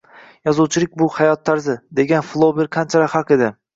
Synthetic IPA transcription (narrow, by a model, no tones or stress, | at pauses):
jɒzuwt͡ʃʰɪlɪk̚ʲbʊhajɒt̪ʰːaɾzɪd̪e̞ɡʲanflˠobɪɾkʲʰant͡ʃʰaɾahaqe̞d̪ɪ